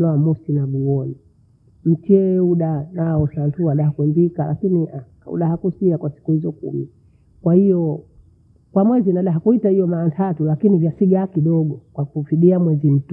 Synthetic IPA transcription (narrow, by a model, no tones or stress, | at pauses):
laamɔsinaɓuɔni | m̩t͡ʃiɛuɗanaɔsantuaɗahakwɛnbikala̰kiniʔa | ṵɗahakusiakwasi̥kuhizɔkṵmḭ | kwahijɔ | kwamwɛzinaɗaɦakuitahijɔmaːntʰatulakinivjasiɡakiɗɔɡɔkwakufiɗiamwɛzim̩t